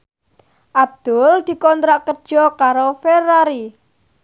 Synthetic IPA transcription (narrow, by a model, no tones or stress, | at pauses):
ʔab̚d̪̥ʊ̤ld̪̥i̤kɔnt̪ɾaʔkərd̥ʒ̥ɔkaɾoferaɾi